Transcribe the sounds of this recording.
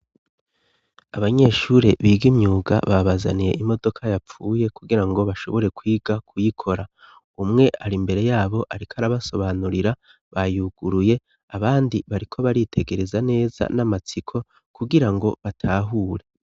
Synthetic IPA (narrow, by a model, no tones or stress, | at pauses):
aβaɲe̞ːʃuɾe̞βiːɡimɲuːɡa̰βaβaza̰nije̞̰ʔimo̞do̞kʰajap͡fuːje̞kuɡiɾaŋɡo̞βaʃo̞̰βo̞ɾe̞kwiːɡ̥akʰujikʰo̞ɾa | umŋe̞ʔaɾimbe̞ɾe̞jaːβo̞ʔaɾikaɾaβaso̞βanuɾiɾa | βajuɡ̥uɾuje̞ | aβaːndiβaɾikʰo̞βaɾitʰe̞ɡe̞ɾe̞zane̞ːza̰namat͡sikʰo̞ | kuɡiɾaŋɡo̞βatʰaːɦuːɾe̞